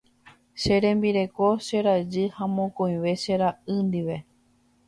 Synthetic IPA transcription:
ʃe̞ɾẽ̞mbiɾe̞ko̞ʃe̞ɾad͡ʒɨhãmõkõĩʋe̞ʃeɾaʔɨnd̪iʋe̞

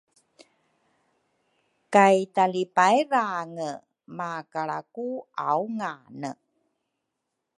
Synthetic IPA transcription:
kajtalipajɾaŋə | makaɭa̰kua̰wŋanə

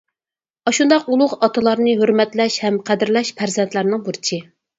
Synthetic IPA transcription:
ɑʃund̪ɑqulˠʊʁɑt̪ʰɨlˠɑɾnɨɦøɾmɛt̪lɛʃhɛmqʰæd̪ɪɾlɛʃpʰæɾzɛnt̪læɾnɨŋbuɾt͡ʃʰɪ

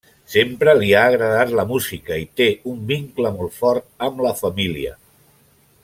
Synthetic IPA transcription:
sempɾəliaːɣɾəðat̪ləmuzikəit̪eumbiŋkləmɔlˠt̪fɔɾt̪̚əmləfəmiliə̰

